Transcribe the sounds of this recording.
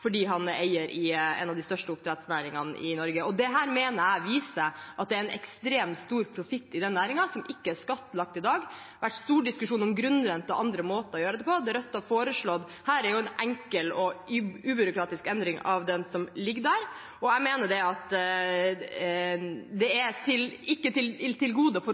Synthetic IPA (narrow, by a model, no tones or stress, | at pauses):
fɔɖiːɦɑnḛɪəɾʔɪɛ̰nɑʋd̪ɪst̪œʂʈəʊp̚t̪ʰɾɛt̪snæːɾɪŋɑnʔɪ̰nɔɾɡəɔd̪ɛɦæːɾmeːnəɾæɪʋiːsəʔɑt̪̚d̪ɛæɾɛnʔɛ̰kst̪ɾeːmt̪st̪uːɾpʰɾʊfɪt̪ːɪd̪ɛnːæːɾɪŋɑsɔmʔɪkːəæʂkɑt̪ːəlɑk̚t̪ɪd̪ɑːɡ | ʋæʈːst̪uːɖɪskʉʂuːnɔmɡɾʉnɾɛnt̪ːəɔʔɑnd̪ɾəmoːt̪əɔjøːɾəd̪ɛpʰɔd̪ɛɾœt̪ːɑfoːɾəʂɭɔd̪ | hæːɾæɾjʊɛnʔɛŋkəlɔʉːbʏɾʊkʰɾɑːt̪ɪskɛnd̪ɾɪŋɑʋd̪ɛnsɔmlɪɡːəd̪æːɾ | ɔæmeːnəɖɛɑt̪ | d̪ɛɛt̪ʰɪlɪkːət̪ʰɪlɪlt̪ʰɪlɡuːd̪əfɔ